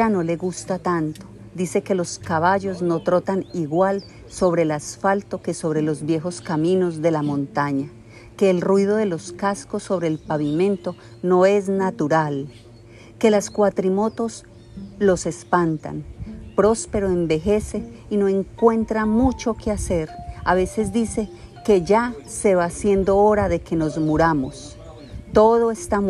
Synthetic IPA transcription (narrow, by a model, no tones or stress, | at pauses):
ano̞le̞ɣust̪at̪ant̪o | d̪ise̞ke̞lo̞skaβaʝo̞zno̞t̪ɾo̞t̪aniɣwal | so̞βɾe̞ːlasfalt̪o̞ke̞so̞βɾe̞lo̞zβje̞xo̞skamino̞zd̪e̞lamõ̞nt̪aɲa | ke̞ːlrwiðo̞ðe̞lo̞skasko̞sːo̞βɾeːlpaβimẽ̞nt̪o̞ | no̞e̞znat̪uɾal | ke̞laskwat̪ɾimo̞t̪o̞s | lo̞se̞spant̪a̰npɾo̞spe̞ɾoembe̞xe̞se̞ino̞e̞ŋkwe̞nt̪ɾamut͡ʃo̞kease̞ɾaβe̞se̞zd̪ise̞ | ke̞ʝase̞βasje̞nd̪o̞oɾaðe̞ke̞no̞zmuɾamo̞s | t̪o̞ðoest̪a